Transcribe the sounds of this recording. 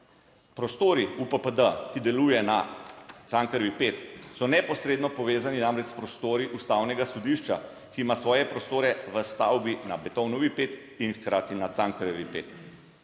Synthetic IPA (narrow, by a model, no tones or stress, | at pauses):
pɾɔst̪oːɾiupəpəd̪əkid̪ɛlujɛnat̪saŋkəɾʋipeːt̪sɔnɛpɔsɾeːd̪nɔpɔʋeːzaninamɾɛt͡ʃspɾɔst̪oːɾiʔust̪awnɛɡasɔd̪iʃt͡ʃa | kiːmasʋɔːjɛpɾɔst̪oːɾɛʋəst̪awbinabɛt̪ɔwnɔʋipeːt̪ | inxkɾaːt̪inat̪saŋkəɾɔʋipeːt̪